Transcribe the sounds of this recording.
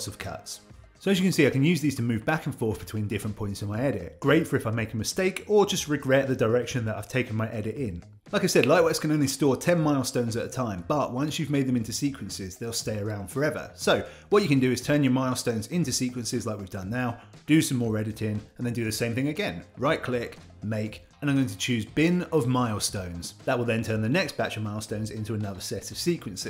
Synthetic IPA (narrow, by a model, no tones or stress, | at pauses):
sʌv̥kʰʌ̰tssoʊɨzjɨkɨ̃nsiaɪkɨ̃njʉzðiz̥tʰɨmʉvbækn̩fɔˑɹθb̥ɨtʰw̥ĩndɪfɹə̃npʰɔ̃ɪ̃ntsɨ̃nmaɪɛɾɪ̰t̚ɡ̥ɹeɪtfə˞ɨfaɪmeɪkəmɨsteɪkə˞d͡ʒʌst̚ɹɨɡɹɛt̪̚ðɨdə˞ɛkʃɨ̃nðɨɾa̰ɪv̥tʰeɪkɨ̃n̩maɪʔɛɾɪɾɪ̃n | laɪkaɪsɛdlaɪʔwɛskʰɨ̃nõʊ̃nlistɔɹtʰɛ̃nmaɪlˠstõʊ̃nzɨt̪ðɨtʰãɪ̃mb̥ʌʔwʌ̃nsjʉvmeɪd̪̚ðɨ̃mɪ̃ntʉsiˑkʰwɨ̃nsɪzðeɪlˠsteɪə˞ãʊ̃nd̥fə˞ɛvə̰˞soʊ | wʌt͡ʃɨkɨ̃ndɨɨz̥tʰɜ̃˞njə˞maɪlˠstõʊ̃nzɪ̃ntʉsiˑkwɨ̃nsɪzlaɪkwivdʌ̃nːaʊd̥ɨsʌ̃mɔɹɛɾɨɾɪ̃nə̃n̩ðɨ̃ndɨðɨsẽɪ̃mθɪ̃ŋɨɡɛ̃nɹaɪʔ̚kʰl̥ɪk | meɪk | ɨnãmɡoʊɪ̃ŋtʰɨ̥t͡ʃʰʉzbɪ̃nəvmaɪlˠstõʊ̃nz̥ðəʔ̚wəlˠðɨ̃ntʰɜ̃˞nðɨnɛksb̥æt͡ʃəvmaɪlˠstõʊ̃nzɪ̰̃ntʉənʌðə˞sɛɾʌv̥siˑkʰwɨ̃nsɪ̥